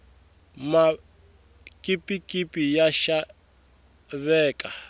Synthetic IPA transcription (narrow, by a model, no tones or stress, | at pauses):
ma | kʼipʼikʼipʼijaʃa | βɛːkʼa